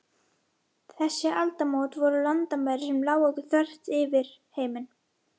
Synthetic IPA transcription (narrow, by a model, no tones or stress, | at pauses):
θɛsːɪalt̪amoːwt̪vɔɾʏlant̪amaːjɾɪsɛmlaːwɔkʏθœr̥t̪ɪvɪɾ̥heːjmɪn